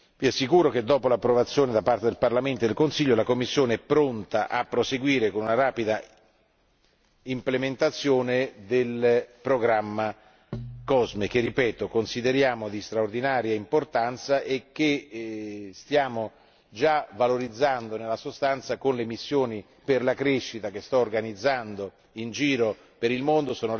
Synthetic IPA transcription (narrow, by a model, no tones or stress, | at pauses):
viasːikuːɾok̟ed̪ːɔːpolapːɾovat̪sːjoːned̪apart̪ed̪elparlament̪od̪elkonsiʎːolakomːisːjoːneɛpːɾont̪aʔapːɾoseɡwiːɾekonunaɾaːpid̪a | implement̪at̪sːjoːned̪elpɾoɡɾamːa | kɔzmek̟erːipɛːt̪okonsid̪eɾjaːmod̪ist̪ɾaord̪inaːɾjaimport̪ant̪saʔekːe | st̪jaːmo | d͡ʒavaloɾid̪zːand̪onelːasost̪ant̪sakonlemisːjoːni | perlakɾeʃːit̪akest̪ɔorɡanid̪zːand̪o | ind͡ʒiːɾo | peɾilmond̪osoːno